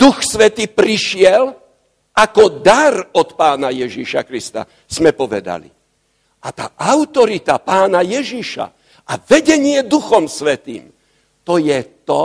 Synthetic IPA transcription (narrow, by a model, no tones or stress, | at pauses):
d̪uxsʋɛt̪iːpɾiʃɪɛl | akɔd̪aɾɔt̪paːnajɛʒiʃa̰kɾist̪a̰ | z̥mɛpɔʋɛ̰d̪a̰lḭ | at̪a̰ːʔaʊt̪ɔɾit̪apaːnajɛʒiʃa̰ | ʔaʋɛɟɛɲɪɛd̪uxɔmsʋɛt̪ḭːm | t̪ɔjɛt̪ɔ